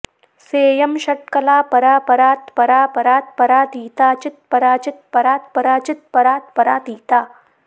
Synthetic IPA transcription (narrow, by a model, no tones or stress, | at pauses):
seːjɐmɕɐʈ̚kɐlaːpɐɾaːpɐɾaːt̪pɐɾaːpɐɾaːt̪̚pɐɾaːt̪iːt̪aːt͡ʃɪt̪̚pɐɾaːt͡ʃɪt̪̚pɐɾaːt̪̚pɐɾaːt͡ʃɪt̪̚pɐɾaːt̪̚pɐɾaːt̪iːt̪aː